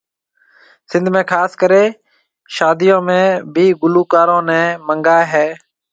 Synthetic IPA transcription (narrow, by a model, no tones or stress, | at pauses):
sɪ̃nd̪ʱmẽːkʰaːskəɾeː | ʃaːd̪ijõːmẽːbʱiːɡʊluːkaːɾõːnɛ̃ːməŋɡaːɦɛː